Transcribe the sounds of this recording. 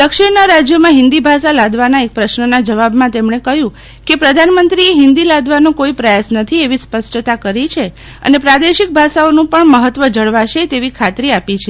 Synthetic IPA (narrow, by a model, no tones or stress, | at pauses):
d̪əkʃiɽnaɾad͡ʒjomãɦɪ̃nd̪ibʱaʃalad̪ʋanaek̚pɾəʃnənad͡ʒəʋabmãt̪emɳekəɦjũ | kepɾəd̪ʱanmənt̪ɾieɦɪnd̪ilad̪ʋanõkoipɾəjasnət̪ʰieʋispəsʈt̪akəɾit͡ʃʰe | ə̰nepɾad̪eʃɪk̚bʱaʃaonũpəɳməɦət̪ʋəd͡ʒəɭʋaʃet̪eʋikʰat̪ɾiapit͡ʃʰe